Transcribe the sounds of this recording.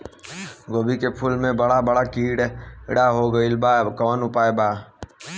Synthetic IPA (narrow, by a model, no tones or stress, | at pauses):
ɡoːbikepʰʊlmẽbəɽabəɽakiːɽɪ̰ɽaɦoɡəilbakɔːnʊpaːebaː